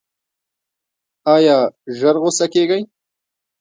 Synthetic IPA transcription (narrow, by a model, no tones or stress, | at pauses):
ɑjɑːʒəɾɣosakeɡaj